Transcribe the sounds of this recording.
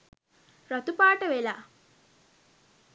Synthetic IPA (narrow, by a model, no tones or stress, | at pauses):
ɾat̪upaːʈəʋela